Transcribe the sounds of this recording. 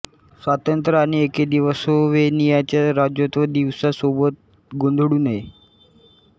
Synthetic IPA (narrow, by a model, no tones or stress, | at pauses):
sʋat̪ənt̪ɾəaɽ̃ieked̪iʋəsoʋenijat͡ɕjaɾad͡ʑjot̪ʋəd̪iʋsasobət̪̚ | ɡond̪ʱɽuːnɦe